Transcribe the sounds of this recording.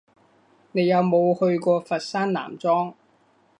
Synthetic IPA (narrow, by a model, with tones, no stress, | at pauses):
ne˨˧jɐ˨˧wmo˨˧whɵ˧ɥkɔː˧fɐ˨t̚saː˥nla̰ː˨˩mt͡sɔː˥ŋ